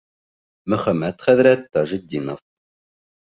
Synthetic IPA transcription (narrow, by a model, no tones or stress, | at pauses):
mɵ̆χæmːæt̪χæðɾæt̪ːɑʒit̪̚d̪inof